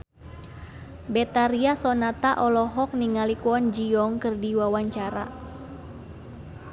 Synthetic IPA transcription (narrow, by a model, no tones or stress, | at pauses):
bet̪aɾiasɔnat̪aʔɔlɔɦɔk̚niŋalikuɔnd͡ʒiɔŋkɨrdiwawaɲt͡ʃaɾa̰